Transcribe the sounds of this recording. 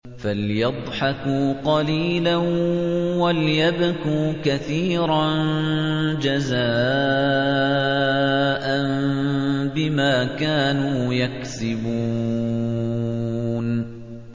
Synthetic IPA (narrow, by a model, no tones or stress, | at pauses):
faljɑd̪ˤħɑkuːqɑliːlanwaljabkuːkaθiːɾɑn | d͡ʒazaː | ʔan | bɪmaːkaːnuːjaksɪbuː | n